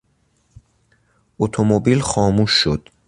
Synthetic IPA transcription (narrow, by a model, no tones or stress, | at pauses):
ʔot̪ʰomobilxɒːmuːʃːod̪̥